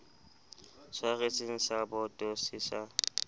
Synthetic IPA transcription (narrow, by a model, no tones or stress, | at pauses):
saɣet͡sʼɪŋ̩sabʊtʼosiːsa